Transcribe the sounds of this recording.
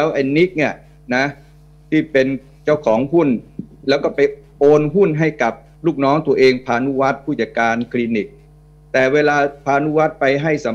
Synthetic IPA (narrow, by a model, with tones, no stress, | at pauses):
ɛː˦˥wʔa˧jni˦˥k̚ni˧˩ə | na˦˥ | t̪ʰiː˥˩pe˧n | t͡ɕa˥˩wkʰɔː˩˦ŋɦu˥˩nlɛː˦˥wkɔː˥˩pa˧jʔoː˧nɦu˥˩nɦa˥˩jka˨˩p̚ | luː˥˩k̚nɔː˦˥ŋt̪u˧ɐʔeː˧ŋpʰaː˧nu˦˥wa˦˥t̪̚pʰuː˥˩t͡ɕa˨˩t̪̚kːaː˧nkʰliː˧ni˨˦˩k̚ | t̪ɛː˨˩weː˧laː˧pʰaː˧nu˦˥wa˦˥t̪̚pa˧jɦa˥˩jsa˩˦